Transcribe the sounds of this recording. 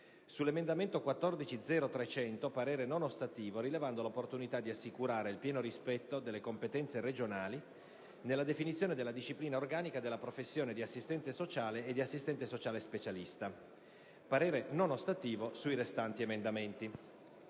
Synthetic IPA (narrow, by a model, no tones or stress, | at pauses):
sulːemend̪ament̪okwat̪ːɔrd̪it͡ʃid̪zɛːɾot̪ɾet͡ʃɛnt̪opaɾeːɾenonost̪at̪iːvoɾilevand̪olopːort̪unit̪ad̪iasːikuɾaːɾeilpjɛːnoɾispɛt̪ːod̪elːekompet̪ɛnt̪seɾed͡ʒonaːli | nelːad̪efinit̪sjoːned̪elːad̪iʃːipliːnaorɡaːnikad̪elːapɾofesːjoːned̪iasːist̪ɛnt̪esot͡ʃaːleːd̪ːiasːist̪ɛnt̪esot͡ʃaːlespet͡ʃalist̪a | paɾeːɾenonost̪at̪iːvosuiɾest̪ant̪iemend̪ament̪i